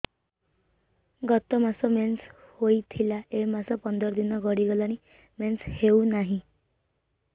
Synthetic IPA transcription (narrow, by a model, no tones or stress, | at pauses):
ɡɔt̪ːɔmasɔmenshoit̪ʰilaemasɔpɔnd̪əɾd̪inːɔɡʱɔɽiɡɔlañi | mensheunaɦĩ